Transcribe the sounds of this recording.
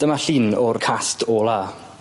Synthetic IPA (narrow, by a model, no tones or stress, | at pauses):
d̥əmaɬinɔrkʰastʰɔːlˠa